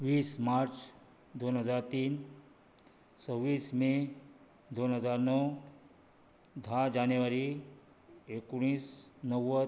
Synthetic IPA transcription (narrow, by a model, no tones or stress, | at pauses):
ʋiːsmaɾt͡ʃ | d̪onɦəzaɾt̪iːn | səʋiːsmẽ | d̪onɦəzaɾnɔ | d̪ʱad͡ʒanjuʋaɾi | ekuɽ̃iːsnəʋə